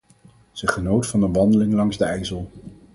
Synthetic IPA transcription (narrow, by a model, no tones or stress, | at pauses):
z̥əχənowtfɑnənʋɑndəlɪŋlɑŋzdəɛjzəlˠ